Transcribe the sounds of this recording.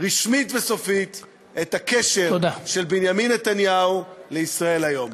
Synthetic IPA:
ʁiʃmitveso̞fit̪ | etakeʃe̞ʁod̪aʃe̞lbinjaminːet̪anjauleisʁae̞lajo̞m

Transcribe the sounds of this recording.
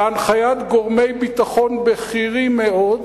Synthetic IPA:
anχajat̪ɡo̞ʁmejbit̪aχo̞nbeχiʁimeʔo̞d̪

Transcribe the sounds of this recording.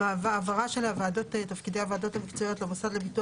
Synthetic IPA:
avaːvaʁaʃe̞lavaːdo̞t̪et̪afkid̪ejavaːd̪o̞t̪hamikt͡soijo̞t̪lebosadlebitu

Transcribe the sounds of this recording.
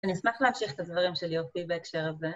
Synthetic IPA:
anismaχleamʃiχet̪advaʁimʃelijot̚pibaekʃeʁaze

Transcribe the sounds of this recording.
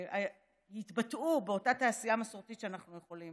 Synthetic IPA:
a | hitbatʔubeo̞tataːsijamasoʁt̪itʃeanaχnuje̞χolim

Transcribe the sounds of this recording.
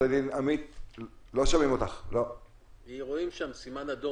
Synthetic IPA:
adinamit̪lo̞ʃamimo̞t̪aχlo̞ | iʁoimʃamsimanad̪o

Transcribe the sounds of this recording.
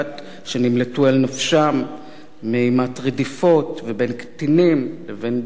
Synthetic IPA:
t̪ | ʃenimletualnafʃamː | ehimatʁedifo̞tvebe̞nkt̪inimleven

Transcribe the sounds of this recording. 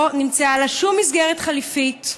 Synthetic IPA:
nimt͡sealaʃumːisɡeʁet̪χalifit

